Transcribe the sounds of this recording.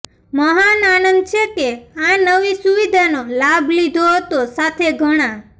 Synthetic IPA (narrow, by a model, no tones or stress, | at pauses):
məɦananənd̪̚t͡ʃʰekeãnəʋisuʋid̪ʱanolabʱlid̪ʱoɦət̪osat̪ʰeɡʱəɽ̃ã